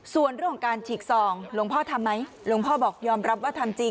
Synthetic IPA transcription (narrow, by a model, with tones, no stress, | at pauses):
su˨˩ənɾəŋʰkʰːɔ˧˦ŋkaː˧nt͡ɕʰiː˨˩k̚sɔː˨˩ŋlo˧ŋpʰɔː˥˩t̪ʰa˧mːa˦˥j | lo˧ŋpʰɔː˥˩bɔː˨˩k̚jɔː˧mɾa˦˥p̚waː˥˩t̪ʰa˧mt͡ɕi˧